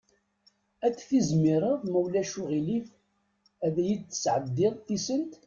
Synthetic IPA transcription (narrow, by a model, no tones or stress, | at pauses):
æt͡sːθizmiɾˤəðˤməwlæʃuʁilif | æðæjət͡sːə̥sʕəd̪ːiʁθisənt̪